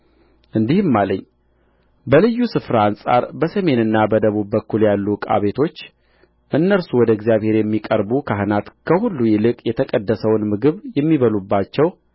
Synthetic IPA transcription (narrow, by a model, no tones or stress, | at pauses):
ʔɨnd̪ihɨmːaləɲː | bəlɨjːusɨfɾaansʼa̰ɾbəsəme̞nɨnːabəd̪əβubːəkːuljalːukʼa̰βe̞t̪ʰo̞t͡ʃː | ʔɨnːəlsuwɔd̪əɡzijaβhe̞ɾjɛmːikʼəɾbukʰaɦɨnat̪kʰəhulːujɪlɨkʼjɛt̪ʰəkʼəd̪ːəsəwnmɨɡɨβjɛmːiβəlubːat͡ʃːɛw